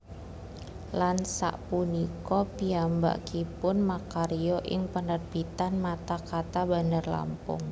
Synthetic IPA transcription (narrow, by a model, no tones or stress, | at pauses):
lansa̰ʔpunikɔpiamba̰ʔkipʊnmakaɾioʔɪŋpənərbit̪anmat̪akat̪abanərla̰mpʊ̰ŋ